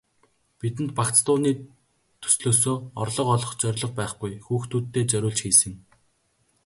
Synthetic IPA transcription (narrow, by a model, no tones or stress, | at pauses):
pit̪ɘ̆nt̪̚pakt͡st̪ʊːniː | t̪ʰɵ̥sɮoːs̬oːɔrɮɞ̆qɔɮɞ̆χt͡sœɾʲɮɞ̆q̚pæːχɡujxuːxt̪ʰuːt̪ːeːt͡sœɾʲʊːɮt͡ɕxiːsɘ̆ŋ